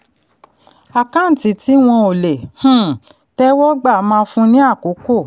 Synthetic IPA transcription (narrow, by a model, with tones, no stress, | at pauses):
a˨kã˨˦n̩˨ti˨˦ti˦w̃ɔ̃˧o˨le˨h̩˦ | tɛ˦wɔ˦ɡ͡ba˦˨˦mãː˧fũ˦nĩ˦a˦˨ko˨˦ko˦˨